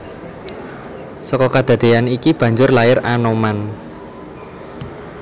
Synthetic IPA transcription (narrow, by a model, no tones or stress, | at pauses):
sɔkɔkad̪̥ä̤d̪̥e̤anikib̥ä̤ɲd͡ʒʊrlaɪranoman